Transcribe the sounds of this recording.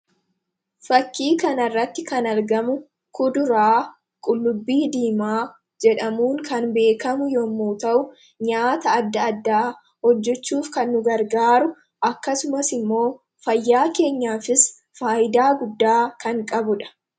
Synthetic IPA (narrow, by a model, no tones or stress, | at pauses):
fɐkːiːkɐnɐrːɐt̪ːɪkɐnɐɾɡɐmʊ | kʊd̪ʊɾaː | kʼʊlːʊbːiːd̪iːmaː | d͡ʒɛᶑɐmuːŋkɐnbe̞ːkɐmʊjɔmːuːt̪ɐʔʊ | ɲaːt̪ɐːd̪ːɐːd̪ːaː | hɔd͡ʒːɛt͡ʃːuːfkɐnːʊɡɐɾɡaːɾʊ | ʔɐkːɐsʊmɐsɪmːo̞ː | fɐjːaːke̞ːɲːaːfɪs | faːʔɪd̪aːɡʊd̪ːaːkɐŋkʼɐbʊᶑɐ̥